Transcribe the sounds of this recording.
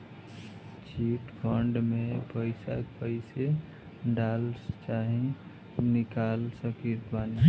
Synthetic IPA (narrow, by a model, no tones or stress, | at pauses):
t͡ʃiːʈkʰɔɳɖmẽpəɪsa̰pəɪse | ɖaːlt͡ʃaːɦĩ | nɪkaːlsəkit̪baːni